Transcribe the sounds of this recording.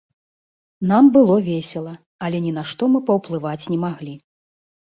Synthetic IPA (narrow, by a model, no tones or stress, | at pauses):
nambɨlˠɔvʲɛsʲɛlˠɐ | ɐlʲɛnʲinaʂt̪ɔmɨpɐwplˠɨvat͡sʲnʲɛmaɣlʲi